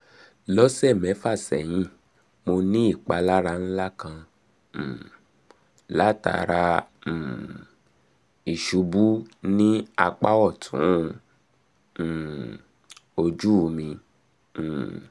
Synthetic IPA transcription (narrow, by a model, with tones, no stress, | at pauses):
lɔ˦sɛ˦˨mɛ̃˨˦fa˦˨sɛ̰˨j̃ĩ˧˦ | mo˧nĩ˦i˦˨k͡pa˨˧la˦ɾa˧n̩˦la˦kã˧˦˨ | la˦ta̰˨˧ɾã˧˨ | i˨ʃu˨˦bu˦nĩ˦a˧k͡pa˦wɔ˦˨tʰṵ̃˨˦˧ | o˧d͡ʒu˦˧mĩ˧˨